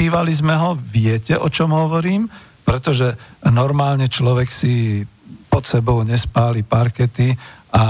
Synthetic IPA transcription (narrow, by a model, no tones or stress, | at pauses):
iːʋalizmɛɦɔʋɪɛcɛʔɔt͡ʃɔmɦɔʋɔɾiːm | pɾɛt̪ɔʒɛnɔɾmaːlɲɛt͡ʃlɔʋɛksi | pɔt̪sɛbɔʊɲɛspaːlipaɾkɛt̪ia